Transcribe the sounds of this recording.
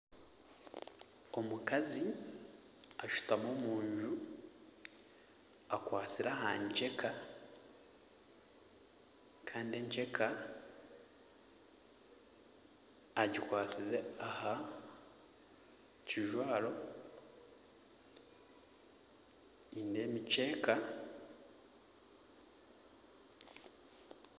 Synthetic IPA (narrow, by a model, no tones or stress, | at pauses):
o̞mukazi | aʃu̥tamoːmuːɲʒu | akwaːt͡siɾaɦaɲce̞kʰa | kʰaːndieɲce̞kʰa | aɟikwaːt͡sizeaha | ciʒwaːlo̞ | inde̞ːmice̞ːka